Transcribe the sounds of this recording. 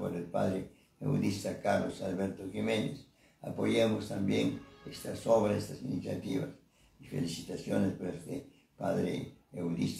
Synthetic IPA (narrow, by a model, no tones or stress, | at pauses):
poɾelpa̰ðɾe | ḛwd̪ist̪akaɾlosalβeɾt̪oximẽnes | apojemost̪ambjeŋest̪asoβɾasest̪asinisjat̪iβas | ifḛlisit̪asjonespoɾest̪e | paðɾḛewd̪is